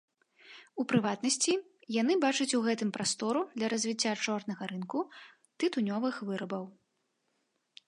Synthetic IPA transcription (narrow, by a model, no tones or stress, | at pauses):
upɾɨvat̪nɐsʲt͡sʲi | janɨbat͡ʂɐt͡sʲuɣɛt̪ɨmpɾast̪ɔɾud̪lʲɐɾɐzʲvʲit͡sʲːat͡ʂɔrnɐɣɐɾɨnku | t̪ɨt̪unʲɔvɨxvɨɾɐbɐw